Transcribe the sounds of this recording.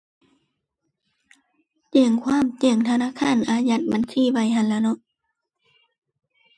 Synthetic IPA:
t͡ɕe˧˩ŋkʰwaː˧˥˨mt͡ɕe˧˩ŋt̪ʰa˧naː˧˥˨kʰaː˧˥˨nʔaː˧ja˧˩t̪̚ba˨˦nsʰiː˧˥˨ba˧˩˨jɦa˧˨nlaː˧˩˨nɔ˧˨ʔ

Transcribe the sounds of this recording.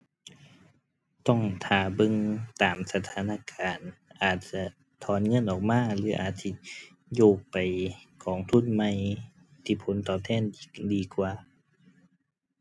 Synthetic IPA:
t̪ɔ˧˩ŋt̪ʰaː˨˩bɤ˧˨ŋt̪aː˨msa˧t̪ʰaː˨˧˦na˧˨kaː˨nʔaː˨˩t̪̚t͡ɕa˧ | t̪ʰɔː˨˧˦nŋɤ˧˥˨nʔɔː˨˩k̚maː˧˥˨lɯː˨˦ʔaː˨˩t̪̚si˧˨ | joː˧˩k̚pa˨˩jkʰɔː˨˩ŋt̪ʰu˧˥˨nma˧˩˨j | t̪ʰiː˧˩pʰo˨˦nt̪ɔː˨˩p̚t̪ʰɛː˧˥˨ndiː˨kwaː˨˩

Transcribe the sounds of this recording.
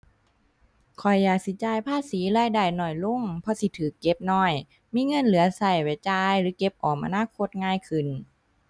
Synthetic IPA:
kʰɔ˨˩jːaː˨˩k̚si˧˦t͡ɕaː˧˩jpʰaː˧˥˨siː˨˦laː˧˩˨jdaː˧˩jnɔː˧˩jlo˧˥˨ŋpʰɔ˧si˧˦t̪ʰɯː˨˩kːe˧p̚nɔː˧˩j | miː˧˥˨ŋɤ˧˥˨nlɯ˨˦ɐsa˧˩jwa˧˩jt͡ɕaː˧jlɯː˨˦ke˧˦p̚ʔɔː˨˩mʔa̰˧naː˧˥˨kʰo˧˦t̪̚ŋaː˧˥˨jkʰɯ˨˩n

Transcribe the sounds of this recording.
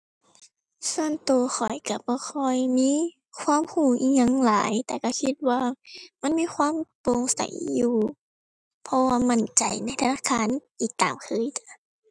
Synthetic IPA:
su˧ənt̪u˧ɐxʰɔ˨˩jka˧˩bɔː˧˦kʰɔ˧˩jmiː˧˥˨ | kʰwaː˧˥˨mhuː˧˩ʔiː˧˩ŋɲa˧˥˨ŋlaː˨˦jt̪ɛː˨˧˩ka˧˩kʰi˧t̪̚waː˧ma˧˥˨nmiː˧˥˨kʰwaː˧˥˨mpo˧˨ŋsa̰˨˩jːuː˧ | pʰɔ˧waː˧ma˧˥˨nt͡ɕa˨˩jna˧˥˩jt̪ʰa˧naː˧˥˨kʰaː˧˥˨nʔiː˨˩k̚t̪aː˨˩mkʰɤː˧˥˨jt͡ɕa˧˦

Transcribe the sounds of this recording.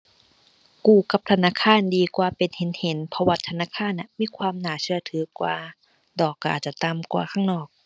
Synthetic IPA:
kuː˧˩ka˧˦p̚t̪ʰa˧naː˧˥˨kʰaː˧˥˨ndiː˧kwaː˧pe˨nhe˨˦nhe˨˦npʰɔ˧waː˧t̪ʰa˧naː˧˥˨kʰaː˧˥˨nʔa˧˩miː˧˥˨kʰwaː˧mnaː˨˩˦t͡ɕʰɯ˧ɐt̪ʰɯː˨˦kwa̰ː˧ | dɔː˨˩kːa̰ː˨˩t̪̚t͡ɕa˧˩t̪a˧mkwa̰ː˧kʰaː˧˥˩ŋnɔː˨˩k̚

